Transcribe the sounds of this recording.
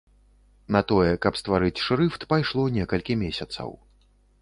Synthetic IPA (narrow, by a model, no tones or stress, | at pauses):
nɐt̪ɔjɛkɐpst̪vaɾɨt͡sʲʂɾɨft̪pajʂlˠɔnʲɛkɐlʲkʲimʲesʲɐt̪sɐ̰w